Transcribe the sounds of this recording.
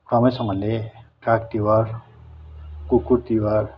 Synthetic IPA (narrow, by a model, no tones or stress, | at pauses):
kʰʌmʌjsʌŋʌleʈakt̪iwar | kukut̪iwar